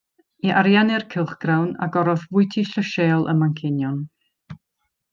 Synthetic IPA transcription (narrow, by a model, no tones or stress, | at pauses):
iʔaɾjanɛrkʰɪlˠχɡ̥rawna̰ɡɔɾɔðvʊɨtʰiɬəʃeːlˠə̰maŋkʰɪnjɔn